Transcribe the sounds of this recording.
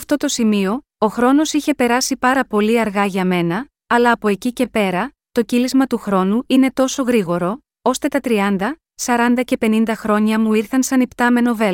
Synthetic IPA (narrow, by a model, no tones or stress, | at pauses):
ɐft̪o̞t̪o̞simio̞ | o̞xɾo̞no̞siçe̞pe̞ɾɐsipɐɾɐpo̞liɐɾɣɐʝɐme̞nɐː | lɐːpo̞e̞cice̞pe̞ɾɐ | t̪o̞cilizmɐt̪uxɾo̞nuine̞t̪o̞so̞ɣɾiɣo̞ɾo̞ | o̞st̪e̞t̪ɐt̪ɾiɐnd̪ɐ | sɐɾɐnd̪ɐce̞pe̞nind̪ɐxɾo̞ɲɐmuiɾθɐnsɐnipt̪ɐme̞no̞ve̞